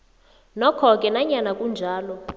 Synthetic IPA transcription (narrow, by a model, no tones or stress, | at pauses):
nɔkʰɔkʼɛnaɲanakʼund͡ʒʱaːlɔ